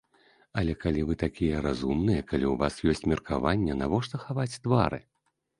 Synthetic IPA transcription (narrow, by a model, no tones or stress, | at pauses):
ɐlʲɛkalʲivɨt̪akʲijɛɾazumnɨjɐkalʲiwvasjɔsʲt͡sʲmʲɛrkʰavanʲːɛnavɔʂt̪ɔxavat͡sʲd̪vaɾɨ̰